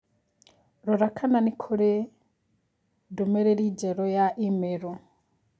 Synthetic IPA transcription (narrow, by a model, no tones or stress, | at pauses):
ɾuɾakʰananikʰuɾe | dumeɾeɾiɟeɾojaʔimeɾo